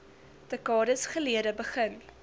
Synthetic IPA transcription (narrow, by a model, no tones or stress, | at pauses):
dəkɑːdəsχəliəɾəbəχən